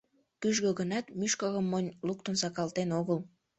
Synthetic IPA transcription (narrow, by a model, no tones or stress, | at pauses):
kyʒɣøɣənɑt̪myʃkəɣəmːonʲluk̚t̪ənsɑkɑlt̪enoɣəl